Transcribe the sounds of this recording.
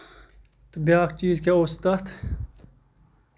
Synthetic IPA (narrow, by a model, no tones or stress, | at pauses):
t̪bjaːk̚t͡ʃiːzkeʊst̪at̪ʰ